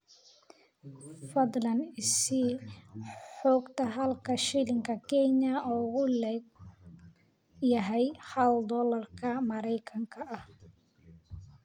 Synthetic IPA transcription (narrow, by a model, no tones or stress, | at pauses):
fɐd̪lɐnɪsɪ | ħɔːɡt̪ʰɐɦɐlkʰɐʃɪlɪŋkʰɐkʰɛɲɐɔːɣʊlɛ | jɐɦɛjħɐld̪ɔːlɐrkʰɐmɐɾɛjkʰɐŋkʰɐʔɐh